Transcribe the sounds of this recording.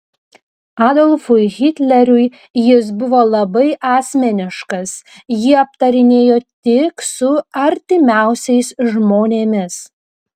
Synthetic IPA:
ɑːd̪ɔlʲˠfʊɪɣʲɪt̪ʲlʲɛɾʲʊj | jɪs̬bʊʋoːlˠɐbɐɪʔɑːsʲmʲɛnʲɪʃkɐs | jɪɐp̚t̪ɐɾʲɪnʲeːjoːt̪ʲɪksʊɐɾʲt̪ʲɪmʲæˑʊsʲɛɪsʒmoːnʲeːmʲɪs

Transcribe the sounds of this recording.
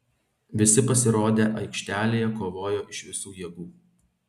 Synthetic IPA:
ʋʲɪsʲɪpɐsʲɪɾoːd̪ʲeːʔɐɪkʃʲt̪ʲæːlʲeːjɛkoːʋoːjoːʔɪʃʋʲɪsuːjiɛɡuː

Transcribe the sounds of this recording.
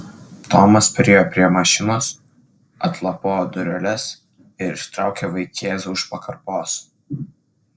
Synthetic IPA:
t̪oːmɐspʲɾʲeːjoːpʲɾʲiɛmɐʃʲɪnoːs | ɐ̰t̪lˠɐpoːd̪ʊɾʲɛlʲɛs | ɪɾɪʃt̪ɾɑˑʊkʲeʋɐɪkʲeːsʊʃpɐkɐɾpoːs

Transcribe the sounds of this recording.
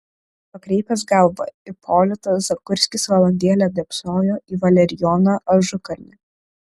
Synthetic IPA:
pɐkɾʲɛɪpʲɛsɡɐlˠʋɐ̰ɪpʰoːlʲɪt̪ɐszɐkʊɾʲsʲkʲɪsʋɐlˠɐnʲd̪ʲiɛlʲɛd̪ʲɛpsoːjoːʔiːʋɐlʲɛɾʲɪjɔnɐʔɐʒʊkɐɾʲnʲɪ

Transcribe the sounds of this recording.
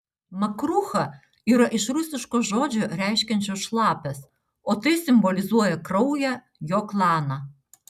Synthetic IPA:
mɐkɾuxɐ | iɾɐʔɪʃɾusʲɪʃkɔʒɔd͡ʒʲɔɾʲæjʃkʲɛnʲt͡ʃʲoʃlˠɑpʲɛs | ɔt̪ɪsʲɪmbɔlʲɪzuɔjɛkɾɔwjɛ | jɔklˠɑnɐ

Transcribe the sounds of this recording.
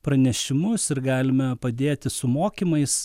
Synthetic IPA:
pɾɐnʲɛʃʲɪmʊsɪɾɡɑːlʲɪmɐpɐd̪ʲeːt̪ʲɪsʊmoːkʲimɐɪs

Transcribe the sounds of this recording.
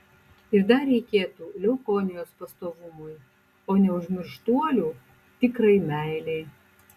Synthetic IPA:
ɪɾd̪ɐɾʲɛɪkʲeːt̪uːlʲɛʊkonʲɪjoːspɐst̪oːʋʊmʊj | oːnʲɛʊʒʲmʲɪɾʃt̪uɔlʲuː | t̪ʲɪkɾɐɪmʲæˑɪlʲɛɪ

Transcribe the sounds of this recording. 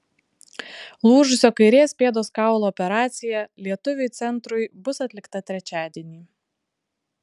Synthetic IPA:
lˠuːʒʊsʲoːkɐɪɾʲeːsʲpʲeːd̪oːskɑˑʊlˠoːpʲɛɾɑːt̪sʲɪjɛlʲiɛt̪ʊʋʲʊɪt̪sʲɛnˑt̪ɾʊɪbʊsɐt̪ʲlʲɪkt̪ɐt̪ʲɾʲɛt͡ʃʲæːd̪ʲiɛnʲiː

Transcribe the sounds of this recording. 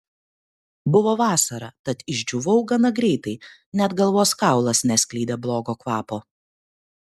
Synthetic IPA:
bʊʋoːʋɑːsɐɾɐt̪ɐt̪ɪʒʲd͡ʒʲuʋɐʊɡɐnɐɡɾʲɛɪt̪ɐɪ | nʲɛt̪ɡɐlˠʋoːskɑˑʊlˠɐsnʲɛsʲkʲlʲiːd̪ʲeblˠoːɡoːkʋɑːpoː

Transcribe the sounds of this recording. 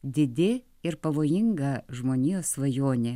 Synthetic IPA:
d̪ʲɪd̪ʲɪ | ɪɾpɐʋoːjɪŋɡɐʒmoːnʲiːjoːsʋɐjoːnʲe

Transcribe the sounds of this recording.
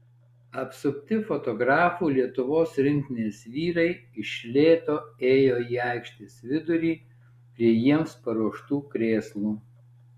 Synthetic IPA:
ɐpsʊkʲt̪ʲɪfɔt̪ɔɡɾɑːfuːlʲiɛt̪ʊʋoːsɾʲɪŋʲk̪ʲɪnʲeːsʋʲiːɾɐɪɪʃʲlʲeːt̪oːeːjoːiːɑˑɪkʃʲt̪ʲɪsʋʲɪd̪ʊɾʲiː | pʲɾʲiɛjiɛmspɐɾuɔʃt̪uːkɾʲeːslˠuː

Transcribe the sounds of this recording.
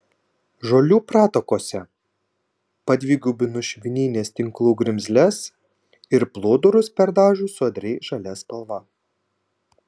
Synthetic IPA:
ʒoːlʲuːpɾɑːt̪okoːsʲɛ | pɐd̪ʲʋʲiːɡʲuːbʲɪnʊʃʲʋʲɪnʲiːnʲeːst̪ʲɪŋklˠuːɡɾʲɪmʲzʲlʲɛs | ɪɾplˠoːd̪ʊɾʊspʲɛɾd̪ɑːʒʲuːsʊɐd̪ʲɾʲɛɪʒɐlʲɛspɐlˠʋɐ

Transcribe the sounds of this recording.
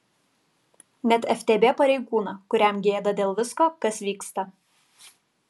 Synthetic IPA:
nʲɛt̪ʲɛfʲt̪ʲeːbʲeːpɐɾʲɛɪɡuːnɐkʊɾʲɛˑmɡʲeːd̪ɐd̪ʲeːlˠʋʲɪskoːkɐsʋʲiːkst̪ɐ

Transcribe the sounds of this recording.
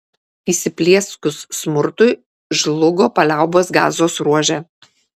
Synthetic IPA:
iːsʲɪpʲlʲiɛskʊsːmʊɾt̪ʊɪ | ʒlˠʊɡoːpɐlʲæˑʊboːsɡɑ̰ːzoːsɾuɔʒʲɛ

